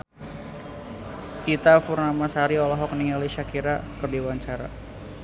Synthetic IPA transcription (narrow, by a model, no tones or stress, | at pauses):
kit̪afurnamasaɾiɔlɔɦɔkniŋaliʃakiɾakərdiwaɲt͡ʃaɾa